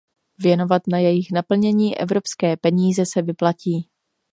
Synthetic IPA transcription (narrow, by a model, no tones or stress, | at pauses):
vjɛno̞vat̪najɛjɪxnapl̩ɲɛɲiːʔɛ̰vɾo̞pskɛːpɛɲiːzɛsɛvɪplaciː